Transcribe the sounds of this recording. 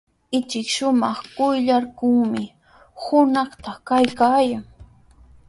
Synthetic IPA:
ɪt͡ʃɪkʃʊmɑχkʊjʎaɾkʊŋmɪ | hʊnɑχt̪ɑkajkaːjaŋ

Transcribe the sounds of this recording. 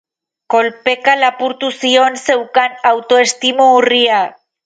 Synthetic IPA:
ko̞lpe̞kalapuɾt̪usio̞nse̞wkanawt̪o̞est̪imuːria

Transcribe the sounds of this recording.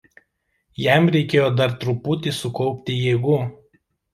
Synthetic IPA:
jæˑmɾʲɛɪkʲeːjoːd̪ɐɾt̪ɾʊpuːt̪ʲɪsʊkɔʊpʲt̪ʲɪjeːɡuː

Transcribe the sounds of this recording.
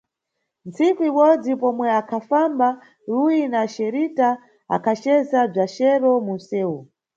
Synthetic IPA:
nt͡sʰikuiɓɔd͡zipɔmwɛakʰafamba | ɾujinaʃɛɾita | a̰kʰat͡ʃɛzab͡ʐaʃɛɾɔmun̩sɛːwu

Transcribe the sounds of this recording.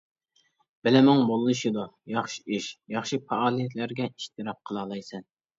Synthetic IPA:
b̥ɪlɪmʊŋbolˠɨlɨʃid̪ujɑχʃi̥iʃjɑχʃipʰɑɑːlˠijɛt̪ʰlæɾɡʲɛiʃt̪ʰɨɾɑp̚qʰəlˠɑːlˠɑjsɛn

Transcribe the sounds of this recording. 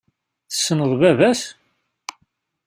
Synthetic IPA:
θə̥sːənəðˤvævæs

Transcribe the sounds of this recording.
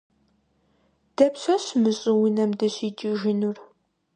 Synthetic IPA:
d̥ɐpɕɐɕmɨɕʼɪwinɐmdɨɕiːd͡ʒʼɪʒɪnur

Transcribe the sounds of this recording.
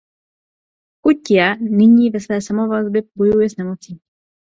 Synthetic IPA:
kucːianiɲivɛsvɛːsamɔvazbɛbɔjujɛznɛmɔt͡si

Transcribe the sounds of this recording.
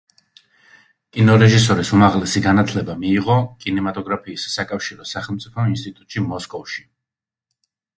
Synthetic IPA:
kʼinɔɾɛʒisɔɾisumaʁlɛsiɡanat̪ʰlɛbamiːʁɔkʼinɛmat̪ʼɔɡɾapʰiːssakʼafʃiɾɔsaχɛlˠmt̪sʼipʰɔminst̪ʼit̪ʼut̪ʼʃimɔskʼɔfʃi̥

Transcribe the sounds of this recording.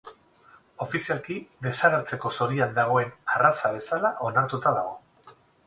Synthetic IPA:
o̞fisialkiðe̞saɣeɾt͡se̞ko̞so̞ɾiand̪aɣ̞o̞e̞narasaβ̞e̞salaʔo̞naɾt̪ut̪aðaɣ̞o̞

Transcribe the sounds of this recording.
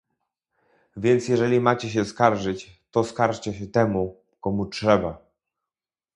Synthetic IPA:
vʲjɛnt̪sjɛʐɛlʲimat͡ɕɛɕ̬ɛskaɾʐɘt͡ɕt̪ɔskaɾʂt͡ɕɛɕɛt̪ɛmu | kɔmutʂɛba

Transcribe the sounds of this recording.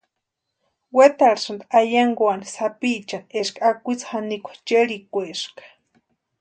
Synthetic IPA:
wet̪aɾsand̪aajaŋɡoanisapiʔt͡ʃaneʂkaakʷit͡shanikʷḁt͡ʃeɺikʷeʂkḁ

